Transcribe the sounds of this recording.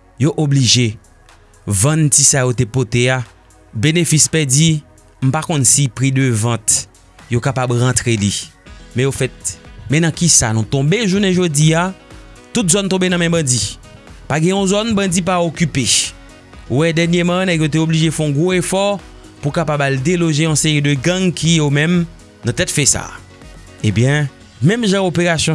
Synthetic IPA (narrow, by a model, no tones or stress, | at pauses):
joʔobliʒe | vɐ̃ntisajot̪epot̪ea | benefispɛd͡zi | m̩pakɔ̃nsipʁid̪øvɐ̃t̪ | jokapabʁãt̪ʁelimɛ̃jofɛt̪̚mɛ̃nɐ̃kisanũt̪ɔ̃beʒuneʒod͡zia | t̪ut̪zɔnt̪ɔ̃benɐ̃mɛ̃bɐ̃d͡zipaɡɛ̃ɔ̃zɔnbɐ̃d͡zip̬aokype | wɛdɛnjemãnɛkjot̪̬eobliʒefɛɔ̃ɡʁoefɔ | pukapabald̪eloʒeɔ̃seʁid̪øɡɐ̃ŋkʰijomɛ̃m | nɐ̃t̪ɛtfɛsa̰ | ebjɛ̃ | mɛ̃mʒãopeʁasjɔ̃